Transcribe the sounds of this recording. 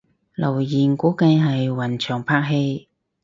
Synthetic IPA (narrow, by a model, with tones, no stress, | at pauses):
lɐ˨˩wjiː˨˩nkuː˨˥kɐ˧jɦɐ˨jwɐ˨˩nt͡ʃʰœː˨˩ŋpʰaː˧k̚ɦe˧j